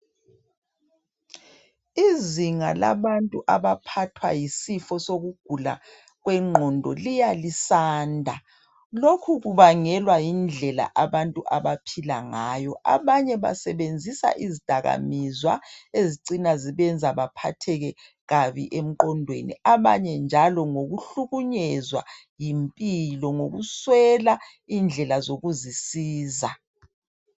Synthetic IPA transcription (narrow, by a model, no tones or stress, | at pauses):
iziŋala̰βantʼuʔaβapʰatʰwa̰jisifɔsoɣuɡ̥ʱula̰ | ɣwɛŋ͡ǃʱɔndʱɔ̰lijalisaːndʱa | lokʰuɣuβaŋɛlwajind͡ɮʱɛla̰ʔaβantʼuʔaβapʰila̰ŋajɔʔa̰βaɲɛβa̰sɛβend͡zʱisa̰ʔizid̥ʱaɣa̰mizwa̰eziǀinaziβɛnd͡zʱaβapʰa̰tʰɛɣɛ | ɣaβḭʔem̩ǃɔndʱwḛnḭaβa̰ɲɛnd͡ʒʱalɔŋoɣuɬuɣuɲɛzwa̰ | jimpʼilɔŋoɣuswɛla | ind͡ɮʱɛlazoɣuzisiːza